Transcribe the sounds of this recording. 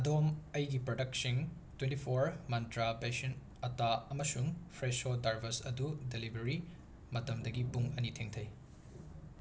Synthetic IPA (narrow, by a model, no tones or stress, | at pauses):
ɐdomɐjɡipɾodɐk̚siŋtwẽntipʰoɾmɐntɾapesɐn | ɐtaɐmɐsuŋpʰɾesodaɾbʱɐsɐdudelibɾɐɾi | mɐtɐmdɐɡipuŋɐnitʰeŋtʰɐj